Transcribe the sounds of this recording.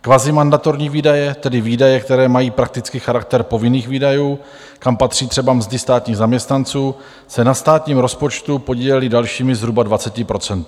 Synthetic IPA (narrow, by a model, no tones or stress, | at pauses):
kvazɪmandat̪o̞ɾɲiːviːdajɛt̪ɛdɪviːdajɛkt̪ɛɾɛːmajiːpɾak̚t̪ɪt͡skɪxaɾak̚t̪ɛɾpo̞vɪniːxviːdajuː | kampat̪r̝̥iːt̪r̥ɛbamzdɪst̪aːt̪ɲiːɣzamɲɛst̪nant͡suː | sɛnast̪aːt̪ɲiːmɾospo̞t͡ʃt̪upo̞ɟiːlɛlɪdalʃiːmɪzɦɾubadvat͡sɛcɪpɾo̞t͡sɛnt̪